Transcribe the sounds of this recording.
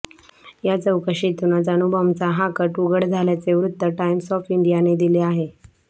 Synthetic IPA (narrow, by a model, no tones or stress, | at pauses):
jat͡səwkəɕit̪unad͡zanubəmt͡saɦakəʈuɡəɽd͡zʱaljat͡seʋɾut̪ːəʈaimsɔfiɳɖijaned̪ileaɦe